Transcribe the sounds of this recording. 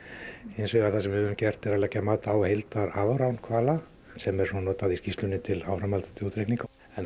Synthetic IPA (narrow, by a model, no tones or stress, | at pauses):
ejnsʏɣaθasɛmvɪhʏʏmcɛr̥t̪ɛɾalɛcːamaːt̪awhejlt̪aɾavɾawnkʰvaːla | sɛmɛɾ̥sunɔːt̪aðiscist̪lʏnːɪt̪ʰɪlawɾawmalt̪ḁt̪ʰɪluːt̪ɾejkniŋka | ɛn